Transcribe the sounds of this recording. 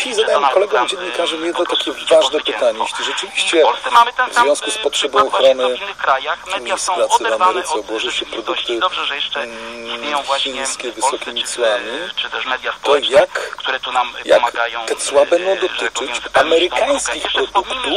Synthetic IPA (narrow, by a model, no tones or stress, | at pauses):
iizad̪ajɛmkɔlɛɡɔ̃md͡ʑɛnɲːikaʐɨmjɛd̪nɔt̪akʲɛvaʐd̪ɛpɘt̪aɲɛlʲiʐɛt͡ʂɘvʲiɕt͡ɕɛvzvʲjɔ̃skuspɔtʂɛbɔ̃w̃ɔxɾɔnɘ | umʲejsɾat̪sɘvamvɛɾɘt̪sɛɔbwɔʐɘwɕɛpɾɔd̪ukt̪ɘ | xʲinskʲɛvɘsɔkʲimʲit̪swamʲi | t̪ɔjak | ja̰kt̪ɛt̪swabɛnd̪ɔ̃w̃d̪ɔt̪ɘt͡ʂɘt͡ɕamɛɾɘkaj̃skʲixpɾɔd̪ukt̪u